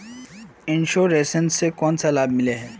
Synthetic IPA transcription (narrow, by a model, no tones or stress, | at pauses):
ĩnʃoɾesɛ̃nsekɔ̃ntʰɛlab̚milɛɦɛ